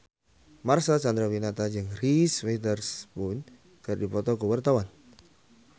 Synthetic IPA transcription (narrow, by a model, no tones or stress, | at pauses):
marsat͡ʃand̪ɾawinat̪ad͡ʒɨŋriswet̪ərspʊn | kɨrdipɔt̪ɔkəwart̪awan